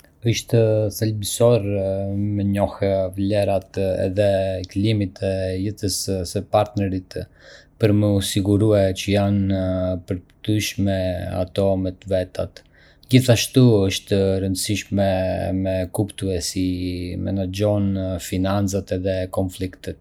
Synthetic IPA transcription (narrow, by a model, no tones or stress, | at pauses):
əʃt̪əsɛlbisɔɾmɛɲɔhɛvlɛɾat̪ɛ̰ðɛklimit̪ɛjəθəssəpaɾt̪nɛɾit̪pəɾməusiɡuɾuɛt͡ɕəjanpəɾt̪yʃmɛa̰t̪ɔmɛt̪vɛt̪at̪ | d͡ʑiθaʃt̪uəʃt̪əɾənd̪əsiʃmɛmɛkupt̪uɛsimɛ̰nad͡ʑɔnfinant͡sat̪ɛðɛkɔnflikt̪ət̪